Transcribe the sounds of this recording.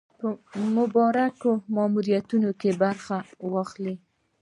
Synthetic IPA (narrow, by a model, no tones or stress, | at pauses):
pəmʊbɑɾakomɑmuɾijat̪unokebaɾxawɑxli